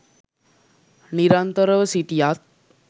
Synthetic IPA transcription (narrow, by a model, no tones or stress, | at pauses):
niɾant̪əɾəʋəsit̪ijat̪̚